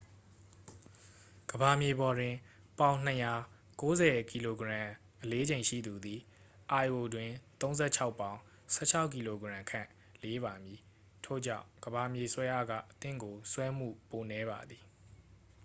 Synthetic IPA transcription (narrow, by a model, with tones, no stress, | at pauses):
ɡ̥əba˨mje˨bɔ˨dwɪ̃˨ | pã˨˦ʊ̃n̥ə˨ja˨ | ko˦zɛ˨ki˨lo˨ɡəɹã˨ | ʔəle˦d͡ʑẽ˨ɪ̃ʃḭ˦˨d̪u˨d̪i˨ | ʔa˨ʔo˨dwɪ̃˨t̪õ˦ʊ̃nzɛ̰˦˨t͡ɕʰa˦ʊpːã˨˦ʊ̃ | sʰɛ̰˦˨t͡ɕʰa˦ʊkːi˨lo˨ɡɹã˨ŋkʰã̰˦˨ | le˦βa˨mji˨ | tʰo̰˦˨d͡ʑã̰˦˨ʊ̃ɡ̥əba˨mje˨swɛ˦ʔa̰˦˨ɡä̰˦˨ʔət̪ɪ̰̃˦˨ŋɡo˨swɛ˦m̥ṵ˦˨po˨nɛ˦βa̰˨d̪i˨